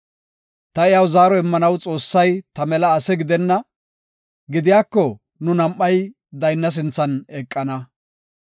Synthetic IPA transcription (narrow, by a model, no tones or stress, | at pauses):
t̪ɐɪjawzaːɾɔɪmːɐnɐwt͡sʼo̞ːsːɐjt̪ɐmɛlɐːsɛɡɪd̪ɛnːɐ | ɡɪd̪ɪjaːkːɔ | nʊnɐmʔːɐj | d̪ɐjnːɐs̬ɪnt͡sːɐnɛkʼːɐnɐ